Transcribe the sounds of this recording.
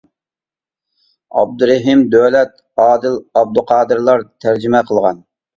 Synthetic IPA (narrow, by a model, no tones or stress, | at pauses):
ɑ̰b̚d̪uɾɛɦɪmd̪øwlɛt̪̚ | ɑːd̪ɨlɑb̚d̪uqʰɑːd̪ɨɾlˠɑɾt̪ʰæɾd͡ʒimɛqʰəlˠʁɑ̰n